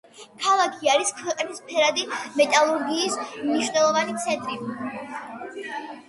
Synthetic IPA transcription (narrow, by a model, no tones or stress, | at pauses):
kʰalˠakʰiaɾiskʰwɛqʼnispʰɛɾad̪imɛt̪ʼalˠuɾɡiːsmniʃwnɛlˠɔvanit̪sʰɛnt̪ʼɾi